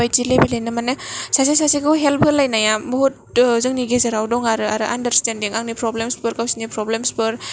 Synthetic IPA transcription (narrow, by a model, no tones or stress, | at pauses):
ajzilebilajnɯmanɯsas̬isasekɯwɦelp̚ʰɯlːajnajabɔɦut̚ | zɯŋniɡezeɾawdɔŋaɾɯa̰ɾɯʔandəɾstendiŋaŋnipɾɔblemspɯɾkawsinipɾɔblemspɯɾ